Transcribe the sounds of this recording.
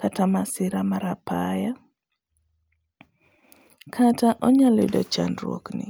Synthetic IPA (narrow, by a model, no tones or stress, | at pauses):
katamasɪɾamaɾapaja | kʰataʔɔɲalidɔ̰t͡ʃa̰nrwo̰knɪ̰